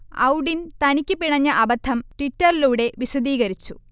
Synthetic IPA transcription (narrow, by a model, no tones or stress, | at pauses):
ɐ̰wɖint̪ɐnikʲːɨpiɳɐɲːɐʔɐbɐt̪ʰːɐmʈitːɐɾiluːɽe̞ʋisɐd̪iːɣɐɾit͡ɕːṵ